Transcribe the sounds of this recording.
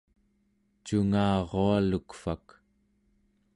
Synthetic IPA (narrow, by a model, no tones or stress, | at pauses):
t͡ʃuŋaːʁoalukfak